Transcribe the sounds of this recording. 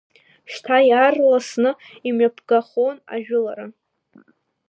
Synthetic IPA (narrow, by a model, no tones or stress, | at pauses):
ʃtʰajarlasnɨ | imɥapʰɡaχona̰ʒᶣʊlaɾa